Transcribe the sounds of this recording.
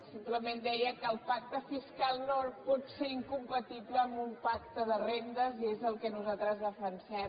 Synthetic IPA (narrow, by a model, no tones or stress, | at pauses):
simpləmend̪ɛjəkəːlˠpak̚t̪əfiskalˠnopɔt̪seɾiŋkumpət̪ipləːmbumpakt̪əðərend̪əziezəlˠkənuzat̪ɾəzðəfənsɛ